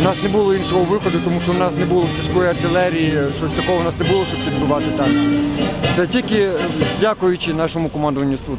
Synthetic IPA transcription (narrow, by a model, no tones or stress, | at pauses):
nɑsnebulˠɔinʃɔɦɔʋɪxɔd̪ʊt̪ɔmuʃt͡ʃɔwnɑsnebulˠɔt̪ʲiskɔjiɐrt̪ɪlˠɛɾʲijiʃt͡ʃɔsʲt̪ɐkɔɦɔwnɑsnebulˠɔʃt͡ʃɔbpʲid̪̚bʊʋɑt̪ɪt̪ɑk | t̪sɛtʲilʲkɪdʲakʊjʊt͡ʃɪnɑʃɔmʊkɔmɑnd̪ʊʋɐnʲːʊst̪u